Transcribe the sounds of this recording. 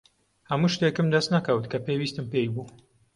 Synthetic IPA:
hɐmuːʃt̪ekɨmd̪ɐst̪nɐkɐwɨt̪kʰɐpewist̪ɨmpejbuː

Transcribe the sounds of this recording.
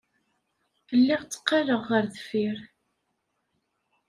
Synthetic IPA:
əlːɪʁt͡sːə̥qːɑləʁːəɾðfiɾ

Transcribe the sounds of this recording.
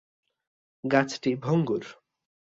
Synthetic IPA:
ɡat͡sʰʈibʱoŋɡuɾ

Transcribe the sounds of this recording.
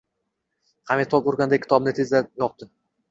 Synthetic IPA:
hʰamet̪ʰɒpoɾɡʲand̪akʲʰːɪ̥t̪ʰɒbnɪt̪ʰe̞zd̪ajɒp̚t̪ɪ

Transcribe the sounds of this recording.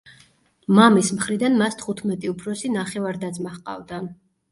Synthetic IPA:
mamismχɾid̪anmast̪ʰχut̪ʰmɛt̪ʼiupʰɾɔsinaχɛvaɾd̪ad̪zmaχqʼa̰vd̪a

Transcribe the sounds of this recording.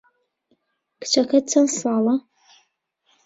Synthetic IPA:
kt͡ʃʰɐxɐt͡sʰɐnsaːlɐ

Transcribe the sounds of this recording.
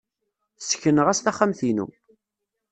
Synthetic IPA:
sə̥çənəʁæst̪æχːæmθinṵ

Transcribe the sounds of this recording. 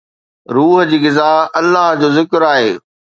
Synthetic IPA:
ɾuːɦəd͡ʑiːɣɪzaːɦɐlːaɦd͡ʑoːzɪkɾaːɦeː

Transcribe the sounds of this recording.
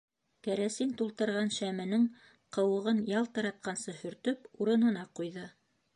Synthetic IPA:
kæɾæsint̪ulˠt̪ɤ̆ɾʁɑnʃæmɘ̆nɘŋ | qɤ̆wɤ̆ʁɤnjɑlˠt̪ɤ̆ɾɑt̪̚qɑnsɤhɵ̆ɾt̪ɵpuɾɤ̆nɤ̆nɑqujðɤ

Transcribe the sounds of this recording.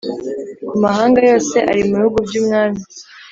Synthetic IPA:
kumaɦaːŋɡajo̞ːse̞ʔa̰ɾimuβihuɡubɟuːmŋaːmi

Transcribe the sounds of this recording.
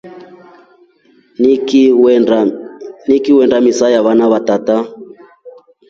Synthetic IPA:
nikiwɛndamisajaβanaβatata

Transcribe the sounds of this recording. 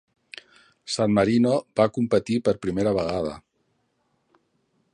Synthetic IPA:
sanməɾinobakumpət̪ipəɾpɾimeɾəβəɣað̞ə̰

